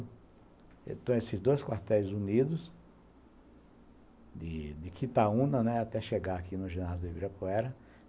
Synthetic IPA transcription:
ḛ̃t̪ɐ̃w̃esɪzd̪ojskwaɾt̪ɛzunid̪ʊs | d̪ɪd̪ɪkʰit̪aũnɐnɛat̪ɛʃeɡaakinʊʒenazd̪ɪbiɾɐpoɛɾɐ

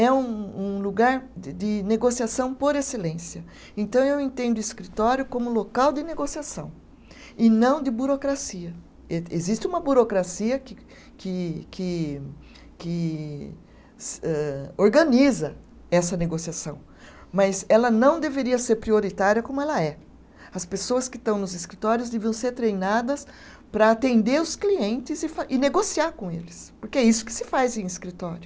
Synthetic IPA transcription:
ɛũũluɡaɾɪd̪ɪneɡosiasɐ̃w̃poɾeselẽsjɐ | ẽt̪ɐ̃w̃ewẽt̪ẽnd̪ʊiskɾit̪ɔɾjʊkõmʊlokawd̪ɪneɡosiasɐ̃w̃ | ɪnɐ̃w̃d̪ɪbuɾokɾasiɐ | eezist̪ɪũmɐbuɾokɾasiɐkɪ | kɪkɪ | kɪ | sɛoɾɡɐ̃nizɐ | ɛsɐneɡosiasɐ̰̃w̃ | mɐzɛlɐnɐ̃w̃d̪eveɾiɐseɾpɾioɾit̪aɾjɐkõmʊɛlɐɛ | ɐspesoɐskɪt̪ɐ̃w̃nʊzɪskɾit̪ɔɾjʊzd̪eviɐ̃w̃seɾt̪ɾejnad̪ɐs | pɾɐat̪ẽnd̪eɾʊskliẽnt̪ɪzɪfaʔɪneɡosiaɾkõelɪspoɾkeɛisʊ̥kɪ̥sɪfajzẽj̃iskɾit̪ɔɾjʊ

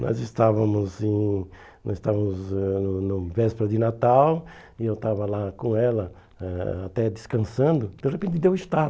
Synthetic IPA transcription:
nɔ̰zɪst̪avɐmʊzẽ | nɔzɪst̪avɐmʊzɛnʊnʊvɛspɾɐd̪ɪnat̪aw | ɪewt̪avɐlakõɛlɐ | ɛat̪ɛd̪ɪskɐ̃sɐ̃nd̪ʊd̪̥eʁepẽnt̪ɪd̪ewɪʃt̪av

